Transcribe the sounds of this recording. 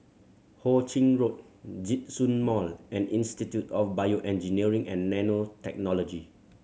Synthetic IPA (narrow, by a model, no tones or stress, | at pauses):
hot͡ʃĩŋɹot̚ | d͡ʒit̚sũnmɔlɛ̃nĩnstitjutɔfbajoʔɛ̃nd͡ʒiniəɹĩŋɛ̃nːɛnotɛk̚nɔlɔd͡ʒi